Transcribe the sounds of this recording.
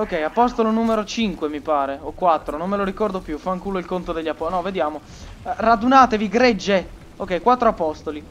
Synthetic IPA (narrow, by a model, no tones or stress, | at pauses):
okːɛjapɔst̪olonumeɾot͡ʃiŋkwemipaːɾeokwat̪ːɾonomːeloɾikɔrd̪opjufaŋkuːloilkont̪od̪eʎːapɔnɔved̪jaːmo | rad̪unaːt̪eviɡɾed͡ʒːe | okːɛjkwat̪ːɾoapɔst̪oli